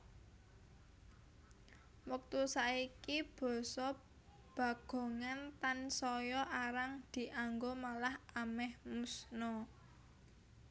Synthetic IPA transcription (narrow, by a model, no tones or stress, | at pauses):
wək̚t̪usaikib̥ɔ̤sɔ | b̥ä̤ɡ̥o̤ŋant̪ansɔjɔʔaɾaŋd̪̥i̤ʔaŋɡomalahamɛhmusnɔ